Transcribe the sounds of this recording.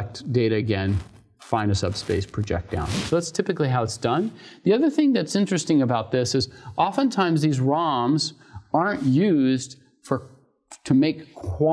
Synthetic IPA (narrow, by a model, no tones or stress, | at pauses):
k̚td̥eɪɾɨɨɡɛ̃n | fãɪ̃nɨsʌb̥speɪspʰɹ̥ɨd͡ʒɛ̰k̚d̥ã̰ʊ̃nsoʊðætstʰɪpɨkliɦaʊətsd̥ʌ̃nðiʌðə˞θɪ̃ŋðɨtsɪ̃nt͡ʃɹ̥ɨstɪ̃ŋɨbaʊt̪̚ðɪsɨzʔɑfə̃ntʰãɪ̃mzðizɹɑ̃mz | ɑɹnjʉzd | fə˞ | tʰɨmeɪkʰw̥ɑ